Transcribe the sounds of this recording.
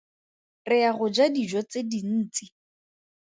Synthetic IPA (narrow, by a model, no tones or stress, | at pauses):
rɪaɣʊd͡ʒadid͡ʒɔt͡sedin̩ːt͡si